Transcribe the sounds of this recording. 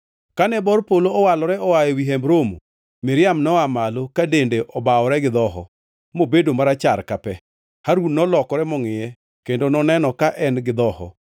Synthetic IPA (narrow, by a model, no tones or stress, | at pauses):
kanɛbɔɾpoloɔwalɔɾɛɔwajewiɦɛmbɾomo̰ | mɪɾɪjamnɔamalokadendeʔɔbaɔɾɛɡɪd̪ɔɦɔ̰ | mobedomaɾat͡ʃaɾkapɛ | haɾwunnɔlɔkɔɾɛmɔŋɪjɛ | kendonɔnɛnɔkaʔɛnɡɪd̪ɔhɔ̰